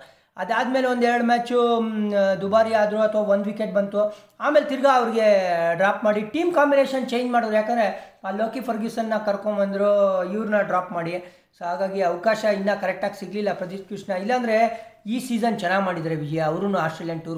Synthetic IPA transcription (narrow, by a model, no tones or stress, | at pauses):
ɐd̪aːd̪me̞ːleond̪ɛɾɐɽumaːt͡ʃu | d̪ubaːɾiaːd̪ɾuɐt̪ʰʋaʋond̪ʋikeʈ̚bɐnt̪u | aːmeːlt̪iɾɡaɐʋɾiɡe̞ɖɾaːpmaːɽiʈiːmkaːmbineːʃɐnt͡ʃe̞ːjɲd͡ʒmaːɽod̪ɾujaːkɐnd̪ɾeaːloːkipʰɐɾɡisɐnːɐkɐɾkombɐnd̪ɾoiʋɾunɐɖɾaːpmaːɽi | soɦaːɡaːɡiɐʋkaːʃɐinːɐkɐɾek̚ʈaːɡsiɡlilːɐpɾɐt̪isʈ̚kiʂnɐilːɐːnd̪ɾe̞iːsiːzɐnt͡ʃɐnaːɡmaːɽid̪aɾeʋid͡ʒɐjaɐʋɾunuaːsʈɾeljɐɳʈːuɾ